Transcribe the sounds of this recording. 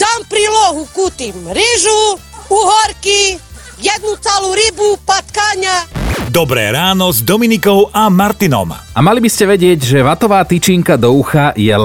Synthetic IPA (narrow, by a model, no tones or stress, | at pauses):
t̪ampɾiːlɔɦukut̪imɾiʒuuɦɔɾki | jɛd̪̚nut͡sɛluɾibupat̪kaɲad̪ɔbɾɛ̰ːɾaːnɔzd̪ɔminikɔʊʔamaɾt̪inɔ̰mamalibiscɛʋɛɟɪɛɟʒɛʋat̪ɔʋaːt̪it͡ʃiːŋkad̪ɔuxajɛl